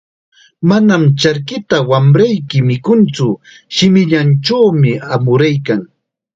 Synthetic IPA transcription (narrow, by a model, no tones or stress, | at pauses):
manamt͡ʃaɾkɪt̪awamɾajkɪmɪkʊnt͡sʊ | ʃɪmɪʎant͡ʃawmɪamʊɾajkaŋ